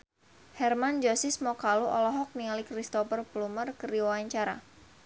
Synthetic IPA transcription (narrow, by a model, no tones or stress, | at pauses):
hɛrmand͡ʒɔsismɔkaluʔɔlɔɦɔk̚niŋalikrist̪ɔfərblumərkəriwwaɲt͡ʃaɾa̰